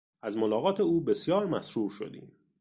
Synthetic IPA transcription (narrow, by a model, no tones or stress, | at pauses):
æzmolɒːɣɒːt̪ʰe̞uːbe̞sjɒːɾmæsɾuːɾʃo̞̰d̪ḭːm